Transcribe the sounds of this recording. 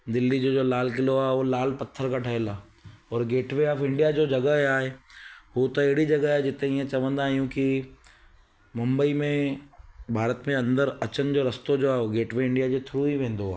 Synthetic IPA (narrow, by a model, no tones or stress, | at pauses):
d̪ɪlːid͡ʑoːd͡ʑoːlaːlkɪloaːɦolaːlpɐt̪ʰːəɾkʰaːʈʰɐɦelaː | ɔːɾɡeːʈʋeaːfɪ̃ɳɖijad͡ʑoːd͡ʑɐɡəaːɦeɦut̪ɐɐɦɪɽid͡ʑɐɡəaːɦed͡ʑɪt̪ẽiẽt͡ɕɐʋə̃nd̪aːɦijũki | mʊ̃mbəimẽ | bʱaːɾət̪mẽɐ̃nd̪əɾɐt͡ɕən̆d͡ʑoːɾɐst̪od͡ʑoaːɦeoɡeːʈʋeɪ̃ɳɖijad͡ʑot̪ʰʊɾuiʋẽːn̆d̪oaː